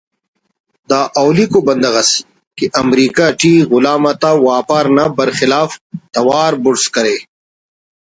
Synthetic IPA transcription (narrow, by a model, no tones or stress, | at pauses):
d̪aːʔawlikobɐnd̪ɐɣɐs | keʔɐmɾiːkaʈiːɣʊlaːmat̪awaːpaːɾnabɐɾxɪlaːft̪ɐwaːɾbʊɽskɐɾeː